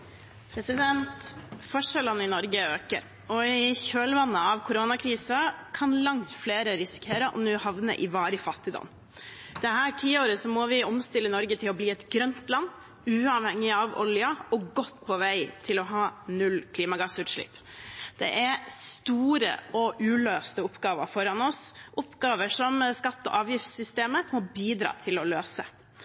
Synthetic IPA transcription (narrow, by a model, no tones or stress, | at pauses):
pʰɾɛsɪd̪ɛnt̪fɔʂələnːɪnɔɾɡəøːkə̰ɾ | ɔɪçøːlʋɑnːəɑʋkʰʊɾoːnɑkʰɾiːsɑkʰɑnlɑŋt̪fleːɾəɾɪsɪ̥kʰeːɾəʔɔ̰mnʉːhɑʋnə̰ʔɪʋɑːɾəfɑt̪ːɪd̪ɑ̰n | d̪̥ɛhæːʈʰiːəoːɾəsɔmɔʋɪɔmst̪ɪlːənɔɾɡət̪ʰɪlɔbliːɛt̪ɡɾœnt̪lɑnː | ʉːɑʋhɛŋːɪɑʋɔ̰ljɑɔɡɔt̪ːpʰɔʋæɪt̪ʰɪlɔɦɑːnʉlkʰliːmɑɡɑːsʉːt̪ʂɭɪ̰ːp | d̪̥ɛ̰ʔæɾst̪uːɾə̰ɔʔʉːløːst̪əʊpːɡɑːʋə̰fɔɾɑnɔsʔʊpːɡɑːʋəʂɔmskɑt̪ːɔ̰ʔɑːʋjɪft̪sʏst̪eːməmɔbiːd̪ɾɑ̰ːt̪ʰɪlɔløːsə